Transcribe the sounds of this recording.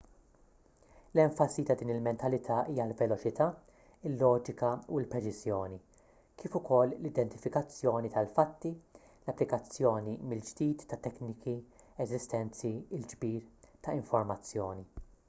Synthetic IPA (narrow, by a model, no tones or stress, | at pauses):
lɛɱfɐsit̪ɐd̪iːnɪlmɛnt̪ɐlɪt̪ʰɐʔiːjɐlvɛlɔt͡ʃɪt̪ʰɐː | ɪlːɔːd͡ʒɪkɐuɪlpɾɛt͡ʃɪzjɔːni | kiːfʊkɔlːlɪd̪ɛnt̪ɪ̥fɪkɐt͡sːjɔːnit̪ɐlfɐt̪ːi | lɐpːlɪkɐt͡sːjɔːnimɪld͡ʒd̪iːt̪ːɐt̪ːɛknɪkiɛzɪst̪ɛnt͡siɪld͡ʒbiːɾt̪ɐɪɱfɔɾmɐt͡sːjɔːni